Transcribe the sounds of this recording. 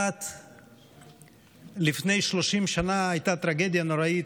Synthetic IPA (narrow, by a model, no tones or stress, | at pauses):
at̪ | lifne̞jʃlo̞ʃimʃanaajt̪at̪ɾaɡe̞d̪jano̞ɾait